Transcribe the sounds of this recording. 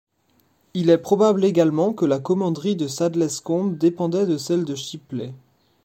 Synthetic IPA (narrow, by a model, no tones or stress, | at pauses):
ilɛpχɔbableɡalmɑ̃kəlakɔmɑ̃d̪ʁid̪əsad̪lɛskɔ̃bd̪epɑ̃d̪ɛd̪əsɛld̪əʃiplɛ